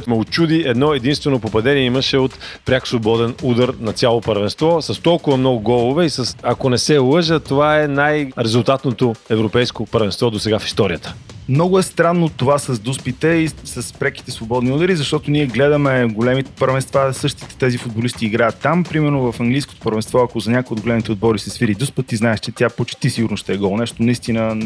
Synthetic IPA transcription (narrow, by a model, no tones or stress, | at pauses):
t̪mɛot͡ʃud̪iɛd̪nɔɛd̪inst̪vɛnopopɐd̪ɛniɛiməʃɛot̪pɾʲaksvˠobɔd̪ɛnud̪əɾnɐt̪sʲjalˠopəɾvɛnst̪vɔsɐst̪ɔlˠkʊvɐmnɔɡʊɡɔlˠʊvɛisəsɐkonɛsɛlˠɤʒət̪ovaɛnajɾɛzulˠt̪at̪not̪oɛvɾopɛjskopəɾvɛnst̪vɔd̪osɛɡafi̥st̪ɔɾijət̪ə̥mnɔɡʊɛst̪ɾanːot̪ovasɐzd̪uspit̪ɛisɐspɾɛki̥t̪ɛsvobɔd̪niɔd̪əɾizɐʃt̪ɔt̪onʲiɛɡlɛd̪əmɛɡolɛmit̪ɛ̥pəɾvɛnst̪vasɤʃt̪i̥t̪ɛ̥t̪ɛzifʊd̪̚bolist̪iːɡɾajət̪ːampɾimɛɾnovɐfɐŋɡlijsko̥t̪o̥pəɾvɛnst̪vɔɐkozɐnʲakojɛod̪̚ɡolɛmit̪ɛod̪̚bɔɾisɐsfiɾid̪uspət̪ːiznaɛʃt͡ʃɛt̪ʲapot͡ʃt̪isiɡʊɾnosʃt̪ɛɛɡɔlˠnɛʃt̪onɐist̪inə